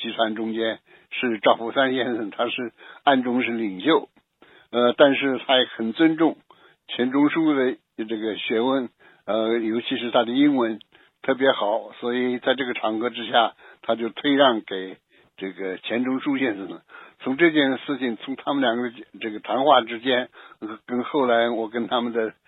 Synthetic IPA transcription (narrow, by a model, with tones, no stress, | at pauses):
t͡ɕi˧˥t̪ʰwa˧˥nʈ͡ʂʊ˥ŋt͡ɕjɛ˥n | ʂɻ̩˥˩ʈ͡ʂɑ˥˩ʊfu˧˥˩sa˥nɕjɛ˥˧nsə˨˩ŋt̪ʰa˥ʂɻ̩˥˧a˥˩nʈ͡ʂʊ˥ŋʂɻ̩˥˩li˨˩ŋɕjo˥˩ʊ | ə˧t̪a˥˧nʂɻ̩˥˩t̪ʰa˥jɛ˧˩xə˨˩nt͡swə˥nʈ͡ʂʊ˥˩ŋ | t͡ɕʰjɛ˧˥nʈ͡ʂʊ˥ŋʂu˥d̪ə˨ | ʈ͡ʂɤ˥˩ɡə˩ɕɥɛ˧˥wə˥n | ə˧jo˧˥ʊt͡ɕʰi˧˥ʂɻ̩˧˥t̪ʰa˥d̪ə˨i˥nwə˧˥n | t̪ʰɤ˥˩p̬jɛ˧˥xɑ˨˩˦ʊswɔ˧˥i˨˩t͡sa˥˧ɪʈ͡ʂɤ˥˩ɡə˩ʈ͡ʂʰɑ˧˥ŋkɤ˧˥ʈ͡ʂɻ̩˥ɕja˥˩t̪ʰa˥t͡ɕjo˥˧ʊt̪ʰwe˥˧ɪɻɑ˥˩ŋke˨˩ɪ | ʈ͡ʂɤ˥˩ɡə˩t͡ɕʰjɛ˧˥nʈ͡ʂʊ˥ŋʂu˥ɕjɛ˥˧ns̩˨˩nə˨˩˦t͡sʰʊ˧˥ŋʈ͡ʂɤ˥˧t͡ɕjɛ˥˧nʂɻ̩˥˩t͡ɕʰi˨˩ŋt͡sʰʊ˧˥ŋt̪ʰa˥mə˨nljɑ˨˩ŋɡə˧ʈ͡ʂɤ˥˩ɡə˩t̪ʰɑ˧˥ŋxwa˥˩ʈ͡ʂɻ̩˥t͡ɕjɛ˥n˧kə˥nxo˥˩ʊla˧˥ɪwɔ˨˩kə˥nt̪ʰa˥mə˨nd̪ə˩